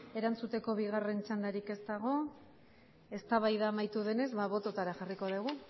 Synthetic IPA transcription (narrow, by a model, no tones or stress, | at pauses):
e̞ɾant͡sut̪e̞ko̞β̞iɣare̞nt͡ʃand̪aɾike̞zt̪aɣ̞o̞ | e̞st̪aβajðamajt̪uðe̞ne̞zβaβo̞t̪o̞t̪aɾaxariko̞ðuɣ̞u